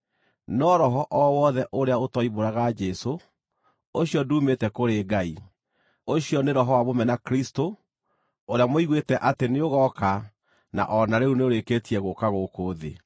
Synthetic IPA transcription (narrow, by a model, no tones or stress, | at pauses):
nɔɾɔɦɔʔɔwɔðɛʔoɾeaotɔiβoɾaɣad͡ʒɛso | oɕiɔduːmetɛkoɾeɡai | oɕiɔneɾɔɦɔwaβomɛnakɾisto | oɾeamoiɣwetɛʔateneoɣɔka | na̰ʔɔnaɾeuneoɾeketiɛɣokaɣokoːðḛ